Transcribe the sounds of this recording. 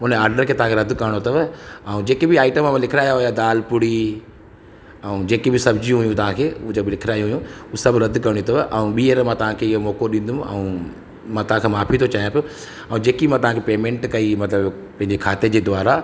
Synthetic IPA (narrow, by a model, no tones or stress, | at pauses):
ʊnaːɾɖəɾkʰeːt̪ɐɦãkeɾɐd̪ʊkɐɾəɽ̃ot̪ɐʋɐũd͡ʑeːkebɪaːɪʈəmːãmãlɪkʰɾaːjaɦʊjad̪aːlpʊɽi | ɛũd͡ʑeːkebɪsɐbd͡ʑijũɦʊjũt̪ɐʋ̤ãkʰeːud͡ʑobɪlɪkʰɪɾaːjũɦujũusɐbɾɐd̪ʱkɐɾɽ̃ũt̪ɐʋʔɐũɓiːəɾmãt̪ɐʋ̤ãkʰeɪɦomɔːkoɗĩːn̆d̪ũɐ̰ũ | mãt̪ɐʋãkʰeːmaːpʰit̪ʰot͡ɕaːijãpijo | ɐũd͡ʑeːkimãt̪ɐʋãkʰepeːmẽːɳʈkɐimɐt̪ləb | pɐ̃ɦɪ̃ɲd͡ʑekʰaːt̪ed͡ʑeːd̪ʊaːɾa